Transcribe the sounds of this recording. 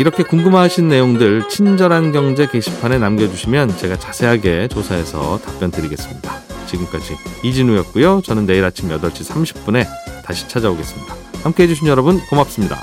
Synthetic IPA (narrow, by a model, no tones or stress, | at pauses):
iɾʌkʰe̞kuŋɡɯmɦaɕʰinːe̞joŋdɯɭt͡ɕʰind͡ʑʌɾanɡjʌŋd͡ʑe̞keɕʰi̥pʰane̞namɡjʌd͡ʑuɕʰimjʌnt͡ɕe̞ɡat͡ɕḁsʰe̞ɦaɡe̞t͡ɕosʰae̞sʰʌ̰tap͈jʌndɯɾiɡe̞s͈ɯmɲidat͡ɕiɡɯmk͈ad͡ʑiid͡ʑinujʌt̚k͈ujot͡ɕʌnɯnːe̞iɾat͡ɕʰimjʌdʌɭt͡ɕ͈ʰisʰamɕʰi̥p̚p͈une̞taɕʰi̥t͡ɕʰad͡ʑaoɡe̞s͈ɯmɲid̥ahamk͈e̞ɦe̞d͡ʑuɕʰinjʌɾʌbɯnkomap̚s͈ɯmɲida̰